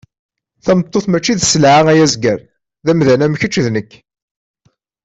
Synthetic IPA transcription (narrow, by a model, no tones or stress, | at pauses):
θæmət̪ˤːoθmæt͡ʃːiðsəlʕaʁæjæzɡəɾ | ðæmðænæmçət͡ʃːðnəkː